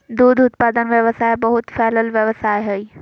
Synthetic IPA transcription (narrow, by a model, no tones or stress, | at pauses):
d̪uːd̪ʊt̪paːd̪ənʋjəʋəsaːebɐɦʊt̪fɛːləlʋjəʋəsaːɦɐi